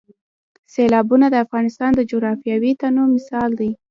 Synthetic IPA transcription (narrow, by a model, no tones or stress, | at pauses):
selɑbunad̪əafɣɑnɪst̪ɑnd̪əd͡ʒoɣɾɑfjɑwit̪anomɪsɑld̪i